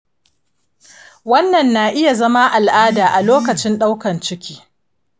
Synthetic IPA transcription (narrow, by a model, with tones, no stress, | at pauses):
wɐ˦nːɐ˨nːaː˨ʔɪ˦ja˨zɐ˦ma˦ʔa˨lʔaː˦daː˨ʔa˨loː˦kɐ˨t͡ʃɪ˦nɗa˦wkɐ˨nt͡ʃɪ˦kʲi̥ː˦